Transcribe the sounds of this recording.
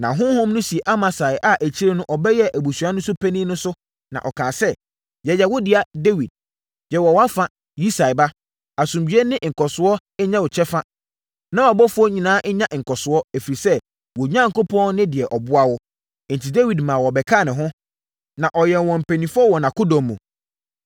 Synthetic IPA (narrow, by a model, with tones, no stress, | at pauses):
nã̰˨ɦʊ̃˦hʊ̃˦mnʊ̃˦si˨e˨ʔa˦mã˨sa˨ɪ˨ʔa˨ʔæ˨t͡ɕʰi˦ɾe˦nʊ̃˦ʔɔ˨bɛ˦jɛ˦ʔæ˨bu˨su˨a˦nʊ̃˦sʊ˦pʰɛ˦nĩ˦nʊ̃˦sʊ˦ | nã̰˨ʔɔ˨kʰãː˨sɛ˦ | jɛ˨jɛ˨wɔ˦dɪ˨a˨de˦wi˨d̥̚ | jɛ˨wɔ˨wa˦fa˦ | ji˦sa˨ɪ˨ba˦ | a˨sũ˨mbɥɛ˦nɪ̃˦ʔŋ̩˨kʰɔ˨sʊ˨ɔ˦ | ɛ˦ɲã˦wɔ˨t͡ɕʰɛ˦fa˦ | nã˦ɔ˨bɔ˦fʊ˦ɔ˦ɲĩ˨nãː˦ʔɲã˦ʔŋ̩˨kɔ˨sʊ˨ɔ˦æ˨fi˨ɾi˨sɛ˦ | wɔ˨ɲã˦ŋ̩˨ko˦pʰɔ̃˦nɪ̃˦dɪ˨ɛ˨ʔɔ˨bʊ˦a˦wɔ˦ | n̩˨tʰi˨de˦wi˨dmãː˨wɔ˨bɛ˨kʰa˦˨nɪ̃˨ɦʊ̃˦ | nã˨ʔɔ˨jɛ˨wɔ̃˨m̩˨pʰɛ˨nĩ˨fɔ˦wɔ˨nã˨kʰʊ˦dɔ̃˨mː˨ṵ̃˨